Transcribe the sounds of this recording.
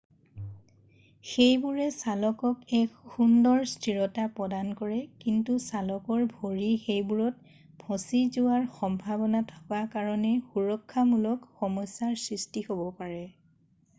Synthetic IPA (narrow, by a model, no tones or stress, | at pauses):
xejbuɹɛsalɔkɔkɛkxundɔɹstɹiɹɔtapɹɔdankɔɹɛkintusalɔkɔɹbʱoɹixejbuɹɔt̚ | bʱɔsizʊwaɹxɔmbʱabɔnatʰɔ̥kakaɹɔnɛxuɹɔkʰːamulɔkxɔmɔsːaɹsɹistihobɔpaɹɛ